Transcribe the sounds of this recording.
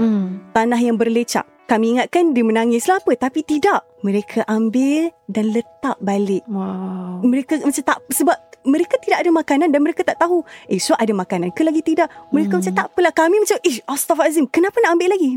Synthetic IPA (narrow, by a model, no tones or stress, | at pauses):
t̪anaɦjaŋbərlət͡ʃa̰ʔ | kamiːŋat̪̚kandiəmənaŋɪslapət̪apit̪idaʔ | məɾekʰaʔambɪldanlət̪aʔ̚balɪʔaməɾekamat͡ʃat̪aʔpsəbap̚məɾekat̪idak̚adamakanandanməɾekat̪aʔt̪aɦuʔesuʔadamakanankəlaɡit̪idaʔməɾekamat͡ʃamt̪aʔpəlahkamimat͡ʃamʔəʔast̪ɔfazimkənapanaʔambɪʔlaɡi